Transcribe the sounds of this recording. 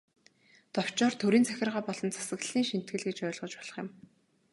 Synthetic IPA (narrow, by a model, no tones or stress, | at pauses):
t̪ɔw̥t͡ɕɔːrt̪ʰɵɾiːnt͡sʰæxʲɪ̆rʁaːpɔɮɞ̆nt͡sʰḁsə̆ɣɮiːŋʃin̥t̪̚ɡɘ̆ɮɡet͡ɕœːɮʁɞ̆t͡ɕpɔɮ̥ɞ̆χjɪ̆m